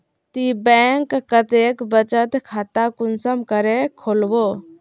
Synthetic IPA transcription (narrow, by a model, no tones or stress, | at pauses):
t̪ibɛːŋkkət̪eːkbət͡ʃət̪kʰaːt̪akʊnsəmkəɾekʰoːlwoː